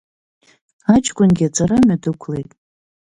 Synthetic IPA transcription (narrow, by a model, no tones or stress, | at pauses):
at͡ʃʼʰkʷʼʊnɡʲiat͡sʼaɾamadɨkʷʰlejtʼ